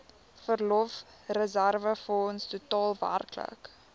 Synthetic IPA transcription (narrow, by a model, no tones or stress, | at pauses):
fərlɔf | rəzærvəfəɔnstutɑːlˠvæ̰rklə̰k